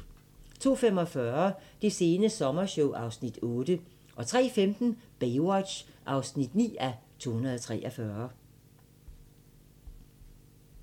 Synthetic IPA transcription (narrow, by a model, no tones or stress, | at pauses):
t͡sʰo̝̰ːfem̰ɒ̽fɶɐd̥e̝se̝ːnəsɒ̽mɐɕoʊʔɑ̈ʊsnid̥ɔ̽ːd̥ə | ʔɒ̽t͡sʰʁɛ̰ːfemd̥n̩b̥eɪwɒ̥ɕʔɑ̈ʊsnid̥nḭːæt͡sʰo̝̰ːhunɐðˠɒt͡sʰʁɛ̰ːʔɐfɶːɐ